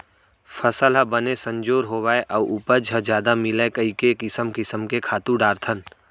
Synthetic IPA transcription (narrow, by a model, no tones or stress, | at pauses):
fʰəsəlɦəbənesə̃ɲd͡ʒoːɾɦowaːeʔɐʋʊpəd͡ʒʱəd͡ʒjaːd̪amɪlekɐikekɪsəmkɪsəmkekʰaːt̪ũɖaːɾt̪ʰən